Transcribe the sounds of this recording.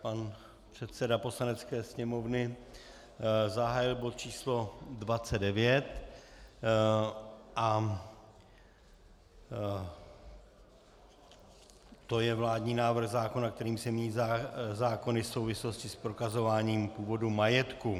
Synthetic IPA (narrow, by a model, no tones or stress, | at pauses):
pan | pr̥ɛt̪sɛdapo̞slanɛt͡skɛːsɲɛmo̞vnɪ | zaɦaːjɪlbot̪̚t͡ʃiːslo̞dvat͡sɛddɛvjɛt̪ | ʔa | t̪o̞jɛvlaːdɲiːnaːvr̩ɣzaːkonak̚t̪ɛɾiːmsɛmɲiːzazaːko̞nɪso̞wvɪslo̞scɪspɾo̞kazo̞vaːɲiːmpuːvo̞dumajɛt̪ku